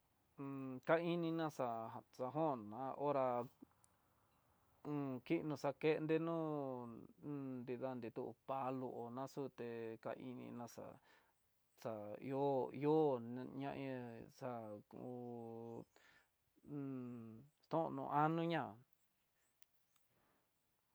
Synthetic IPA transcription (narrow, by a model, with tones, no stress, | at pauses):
ka˦i˦nĩ˧nã˦˧ʂa˧˨sa˧ɦõ˦˨nã˨˧˦ʔo˦ɾa˧ | ũ˧ki˦ʔnũ˧ʂa˧ke˦˧nd̪e˦˧nũː˦˧ | nd̪i˧ða˧nd̪i˧t̪u˦ʔpa˧lu˧ʔo˨nã˦su˦t̪e˧ka̰˧ʔi˧nḭ̃˧nã˧ʂa̰˧˨ | sa˨ḭ˧o˦i˧o˦˧ɲã̰˧ʔẽ˧ʂa˧u˧ | st̪õ˦ʔnṵ̃˧ʔa˦nũ˦ɲã˦˨